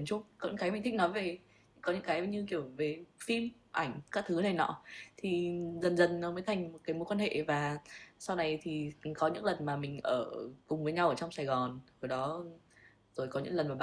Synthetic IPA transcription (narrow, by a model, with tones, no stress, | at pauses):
t͡ɕʊ˦˥k͡p̚kɔ̰˧˨˧ŋkaː˨˦jmä˨˩ŋ̟t̪ʰï˧˥nɔ˨˦jve˨˩˧ | kɔ˨˦ɲɨ̰˧˥kaː˨˦jɲɨ˧ki˧˩əwve˨˩fi˧m | ʔa˧˩ŋ̟kaː˦˥k̚t̪ʰɨ˨˦nə˨˧˩jnɔ̰˧˥˦t̪ʰi˨˩zə˨˩nzə˨˩nnɔ˨˦məː˨˦jt̪ʰa˨˩jŋ̟mo˨˩kaː˨˦jmo˨˦jkwaː˧nhḛ˧˨vaː˨˩sa˧wna˨˩jt̪ʰi˨˩kɔ˨˦ɲɨ̰˧˥ŋlə˨˩nmaː˨˩mï˨˩ŋ̟ʔəː˧˩kʊ˨˩ŋ͡mvəː˨˦jɲa˧wʔəː˧˩t͡ɕɔ˧wŋ͡msaː˧˩jɣɔ˨˩nvə˧˩ɗɔ˨˦ | zo˨˩jkɔ˨˦ɲɨ̰˧˥ŋlə˨˩nvaː˨˩ɓa˧˨